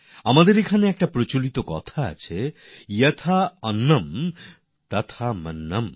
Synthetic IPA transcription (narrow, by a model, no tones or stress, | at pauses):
amad̪eɾekʰaneɛk̚ʈapɾot͡ɕolit̪okɔ̰t̪ʰaa̰t͡ɕʰe | jɐt̪ʰaɐnːɐm | t̪at̪ʰamɐnːɐm